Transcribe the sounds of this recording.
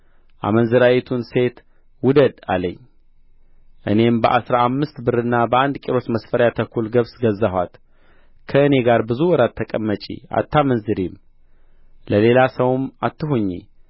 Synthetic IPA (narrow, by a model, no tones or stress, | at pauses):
ʔa̰mənzɨɾawɛt̪ʰunse̞t̪ | wʊd̪əd̪a̰ləɲː | ʔɨ̰ne̞mbəʔasɾaamːɨst̪bɨɾɨnːabəand̪kʼiɾo̞t̪məsfəɾjat̪ʰəkʰːulɡəβsɡəzːəhʷa̰t̪ | kʰəɨne̞ɡaɾbɨzuwɔɾat̪ʰːəkʼəmːət͡ʃʼḭa̰t̪ʰːamənzɨɾim | ləle̞lasəwmat̪ːɨɦuɲːḭ